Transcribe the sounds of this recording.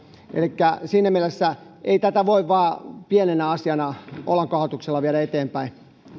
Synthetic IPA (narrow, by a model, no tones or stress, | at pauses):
ʔḛlikːæsiːnæmielesːæ | ʔeit̪æt̪æʋoiʋʋɑːpienenæɑsiɑnɑʔo̰lɑŋkɑhot̪ukselːɑʋieɾæet̪eːmpæi